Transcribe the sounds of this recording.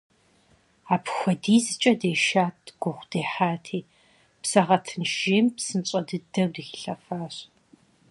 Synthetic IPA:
aːpxʷɐdiːzɨt͡ʃʼɐdeːʃaːtʰʼɡ̥ʷʊʁʷd̥eːħaːtʰiː | psɐʁɐtʰɨnʒeːmpsɨnt͡ʃʼɐdɨdɐwdɨxɬɐfaːɕ

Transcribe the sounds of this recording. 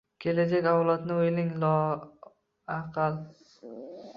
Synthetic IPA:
kʲʰe̞lad͡ʒakʲawlˠat̪nɪojlɪŋlɒ | aqʰɑl

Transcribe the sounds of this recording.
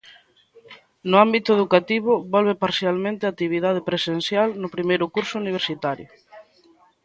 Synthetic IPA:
nʊambit̪ʊeðukat̪iβ̞ʊbɔlβepaɾsjalmẽnt̪ɪat̪ːiβ̞iðað̞epɾesenθjalnʊpɾimejɾʊkuɾsʊuniβ̞eɾsit̪aɾjʊ

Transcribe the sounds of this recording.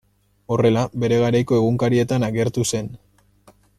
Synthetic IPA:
o̞re̞labe̞ɾe̞ɣaɾajko̞e̞ɣuŋkaɾie̞t̪anaɣe̞ɾt̪use̞n

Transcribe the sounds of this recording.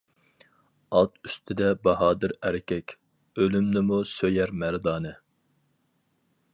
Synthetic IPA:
ɑt̪yst̪ʰɪd̪ɛbɑɦɑːd̪ɨɾæɾɪkʲʰɛkʲ | ølymnɪmusøjæɾmæɾd̪ɑːnɨ

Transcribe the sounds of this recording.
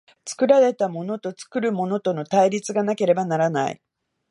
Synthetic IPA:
t͡sɨ̥kɯ̟ɾaɾe̞t̪amo̞no̞t̪o̞t͡sɨ̥kɯ̟ɾɯ̟mo̞no̞t̪o̞no̞t̪aiɾʲit͡sɨɡanake̞ɾe̞banaɾana̰ḭ

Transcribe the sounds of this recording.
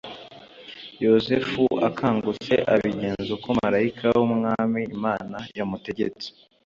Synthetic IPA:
jo̞zefuakʰaːŋɡut͡se̞̰ʔaβiɟe̞ːnzukomaɾaikʰawumŋaːmiːmaːnajamute̞ɟe̞̰t͡se̥

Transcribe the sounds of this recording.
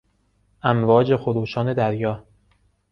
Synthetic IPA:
ʔæmvɒːd͡ʒe̞xoɾuːʃɒːne̞d̪æɾjɒː

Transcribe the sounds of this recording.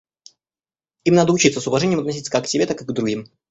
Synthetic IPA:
imnad̪əʊt͡ɕit̪səsʊvɐʐɛnʲɪjəmt̪nɐsʲit̪səkakːsʲɪbʲe̞t̪akɨɡd̪ɾʊɡʲim

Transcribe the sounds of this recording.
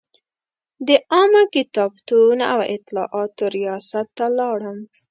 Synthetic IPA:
d̪əʔɑmakɪt̪ɑbt̪una̰wɪ̰t̪lɑ̰ʔɑt̪oɾijɑsat̪ːalɑɽəm

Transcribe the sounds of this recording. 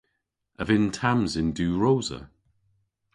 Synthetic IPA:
əvɪntʰamzɪnduːɹowzə̰

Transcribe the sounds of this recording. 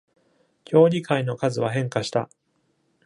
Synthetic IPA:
kʲo̞ːɾʲikʰaino̞kazɨβaɦẽ̞ŋkaɕi̥t̪a̰

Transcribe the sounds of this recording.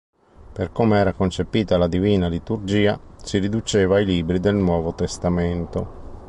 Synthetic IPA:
perkoːmeɛːɾakont͡ʃepiːt̪alad̪iviːnalit̪urd͡ʒiːa̰siɾid̪ut͡ʃeːvaːjliːbɾid̪elnwɔːvot̪est̪ament̪o

